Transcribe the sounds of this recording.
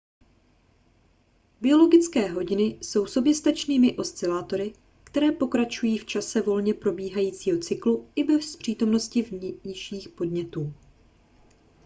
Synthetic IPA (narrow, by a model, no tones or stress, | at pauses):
bɪo̞lo̞ɡɪt͡skɛːɦo̞ɟɪnɪso̞wso̞bjɛst̪at͡ʃniːmɪʔo̞st͡sɪlaːt̪o̞ɾɪ | kt̪ɛɾɛːpo̞kɾat͡ʃujiːft͡ʃasɛvo̞lɲɛpɾo̞biːɦajiːt͡siːɦo̞t͡sɪkluɪbɛspr̝̥iːt̪o̞mno̞scɪvɲɲɪʃiːxpo̞dɲɛt̪uː